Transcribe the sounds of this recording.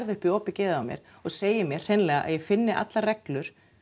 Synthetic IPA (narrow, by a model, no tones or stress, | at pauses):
ɾðʏhpiɔːpɪcɛːðaawmjɛ̰ɾ̥ | ɔɣseːjɪmjɛɾ̥hejnlɛːɣaʔa̰ðjɛfɪnːɪʔa̰t̪larɛklʏɾ̥